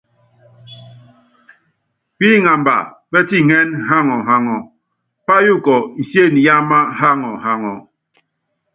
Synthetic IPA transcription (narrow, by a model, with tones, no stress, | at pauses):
k͡pi˦ŋa˨mba̰˨bɛ˦ti˦ŋɛ˦nɦa˦ŋɔ˨ɦa˦ŋɔ˨ | pa˦ju˦kɔ˨i˨sje˦˨ni˨ja˦ma˦ɦa˦ŋɔ˨ɦa˨ŋɔ˨